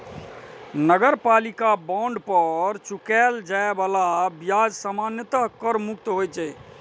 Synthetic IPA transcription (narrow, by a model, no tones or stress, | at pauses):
nəɡəɾpalikabaɳɖpəɾt͡ʃukɛld͡ʒaebalabijad͡ʒsamanjət̪əkəɾmuk̚t̪ɦojt͡ʃɛ